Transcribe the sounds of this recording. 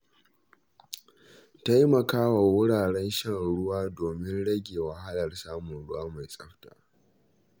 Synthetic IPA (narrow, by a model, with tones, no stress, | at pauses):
ta˦jmɐ˨kaː˦wa˨wʊ˦ɽaː˨ɽɛ˦nʃɐ˦˨ŋɽʊ˦waː˦doː˨mɪ˦nɽɐ˦ɡʲeː˨wɐ˨ɦa˦lɐ˨rsaː˦mʊ˨nɽʊ˦waː˦ma˨jsʼɐ˦ɸta̰ː˨